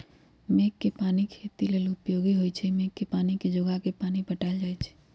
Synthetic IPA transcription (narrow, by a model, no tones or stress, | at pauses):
mekːepanikʰet̪ilelʊpjoɡiɦojt͡ʃʰɛmekːepaniked͡ʒoɡakepanipəʈald͡ʒajt͡ʃʰɛ̥